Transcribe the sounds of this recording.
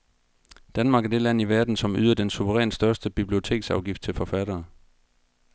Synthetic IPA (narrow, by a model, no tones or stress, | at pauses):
d̥ænmɑ̈ːɡ̥æɐd̥e̝læn̰iʋæɐd̥n̩sɒ̽my̰ðˠɐd̥ensuʋəʁɛ̰ːnsd̥ɶɐsd̥əb̥ib̥lio̝t͡sʰe̝̰ːɡ̥sɑ̈ʊɡ̥ifd̥̚t͡sʰe̝lfɒfæɾ̥ɐː